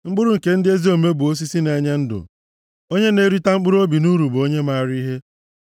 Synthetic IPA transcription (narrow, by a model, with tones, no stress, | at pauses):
ŋ͡m̩˦ɡ͡bʊ˦ɾʊ˦ŋ̩˨ke˦n̩˦dɪ˦e˦zi˦o˨me˦bu˨o˦s̬i˦si˦ne˨ɲe˦n̩˦dʊ̰˨ | o˦ɲe˦ne˦ɾi˦ta˦ŋ͡m̩˦k͡pʊ˦ɾu˦o˦bi˨nu˦ɾu˨bo˦ɲe˦ma˦˨ɾi˦ɦe˦